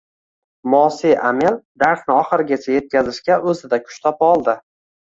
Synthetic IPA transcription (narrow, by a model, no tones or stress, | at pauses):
mɒsiʔameld̪aɾsnɪɒχɨɾɪɡʲat͡ʃʰaje̞t̪̚kʲazɪʃkʲaʔɵzɪd̪akʰʊ̥ʃt̪ʰɒpɒlˠd̪ɪ